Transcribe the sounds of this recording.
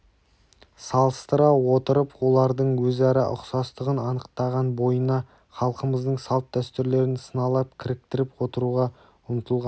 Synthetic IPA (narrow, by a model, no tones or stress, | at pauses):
sɑlˠəst̪əɾɑwot̪əɾəpwo̞lˠɑɾd̪əɴwɵzæɾɑʔʊ̰qsɑst̪əʁənɑnəqt̪ɑʁɑnbo̞jənɑ | χɑlˠqəməzd̪əɴsɑlˠt̪̚ːd̪æst̪ʏɾle̞ɾɪnsənɑlˠɑp̚kʲʰɪɾɪk̚t̪ɪɾɪpwo̞t̪əɾuʁɑ | ʊnət̪əlˠʁɑn